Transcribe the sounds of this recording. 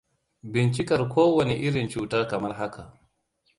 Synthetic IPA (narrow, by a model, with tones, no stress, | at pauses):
bɪ˨nt͡ʃɪ˦kɐ˨rkʰʷoː˦wɐ˨ni˨ʔɪ˦ɽɪ˨nt͡ʃuː˨˦tɐ˦rkɐ˨mɐ˦rɦa˦ka˨ʔ